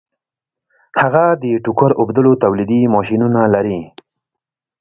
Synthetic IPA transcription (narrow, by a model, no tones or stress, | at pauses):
haɣad̪əʈukʊɾʊbd̪əlot̪awlid̪imɑʃinunalaɾi